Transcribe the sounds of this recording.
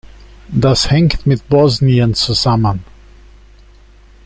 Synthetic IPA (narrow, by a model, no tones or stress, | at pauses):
ðashɛ̃ŋkt̪mɪðbɔzniɛ̃nsusamə̃n